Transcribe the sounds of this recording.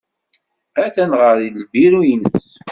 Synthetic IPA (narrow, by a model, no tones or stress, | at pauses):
æθænʁəɾilbiɾujnəs